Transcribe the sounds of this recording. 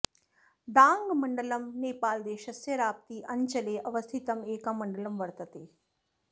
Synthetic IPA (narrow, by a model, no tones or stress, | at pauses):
d̪aːŋɡmɐɳɖɐlɐmneːpaːld̪eːʃɐsjɐɾaːp̚t̪iːʔɐɲt͡ʃɐleːʔɐʋɐst̪ʰit̪ɐmeːkɐmɐɳɖɐlɐmʋɐɾt̪ɐt̪eː